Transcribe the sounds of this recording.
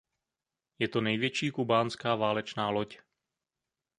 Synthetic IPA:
jɛt̪onɛjvjɛt͡ʃiːkubaːnskaːvaːlɛt͡ʃnaːloc

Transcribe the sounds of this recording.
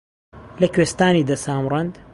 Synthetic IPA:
lɐkweːst̪aːniːd̪ɐsaːmrɐnd̪

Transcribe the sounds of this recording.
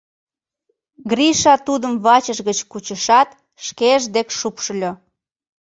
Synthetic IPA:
ɡriʃɑt̪ud̪əmβɑt͡ɕəʃɣət͡ɕkut͡ɕəʃɑt̪ | ʃkeəʒd̪ekʃupʃəlʲo

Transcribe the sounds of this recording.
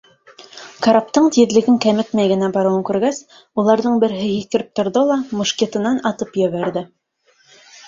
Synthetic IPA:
kaɾap̚t̪ɤɴt̪iðlɘ̆ɡɘŋkæmɘt̪mæjɡɘ̆næbɑɾɤ̆wɤŋkʉɾɡæs | ulˠɑɾðɤɴbɘ̆ɾɦɘjikɘ̆ɾɘp̚t̪ŏɾðɤlˠɑmŏʃkʲit̪ɤ̆nɑnɑt̪ɤpjɘ̆βæɾðɘ

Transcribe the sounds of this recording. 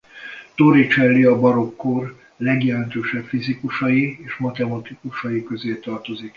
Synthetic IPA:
t̪oɾit͡ʃɛlːiɒbɒɾo̞kːor | lɛɡjɛlɛnt̪øːʃɛpfizikuʃɒjieːʃmɒt̪ɛmɒt̪ikuʃɒjikø̞zeːt̪ɒrt̪o̞zik

